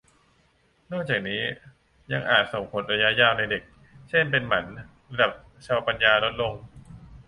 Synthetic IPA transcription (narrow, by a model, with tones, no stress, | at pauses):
nɔː˥˩k̚t͡ɕaː˨˩k̚niː˦˥ | ja˧ŋʔaː˨˩t̪̚so˨˩ŋpʰo˨˩˦nɾa˧ja˦˥ʔjaː˧˩wna˧jde˨˩k̚ | t͡ɕʰe˥˩npe˧nma˩˦n | ɾa˧da˨˩p̚ | t͡ɕʰa˧wa˧pa˧njaː˧lo˦˥t̪̚lo˧ŋ